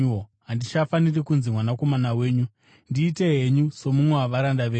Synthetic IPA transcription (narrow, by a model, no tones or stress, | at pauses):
ɦandit͡ʃafanirikunzimwanako̞manawe̞ːɲu | ndiːte̞ɦe̞ɲuso̞mumwewaʋaɾandaʋeː